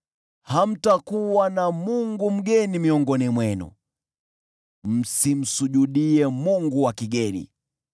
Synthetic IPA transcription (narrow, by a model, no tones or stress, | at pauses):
ham̩takuwanamuŋɡum̩ɡɛnimiɔŋɡɔnimwɛnṵ | m̩sim̩suʄuɗiɛmuŋɡuwakiɡɛnḭ